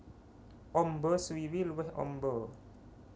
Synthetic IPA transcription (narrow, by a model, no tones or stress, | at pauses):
ʔɔmbəswiwiluwɪhʔɔ̰mbɔ